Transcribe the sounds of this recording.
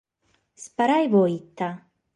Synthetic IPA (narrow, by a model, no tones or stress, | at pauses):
spaɾajvoit̪ːa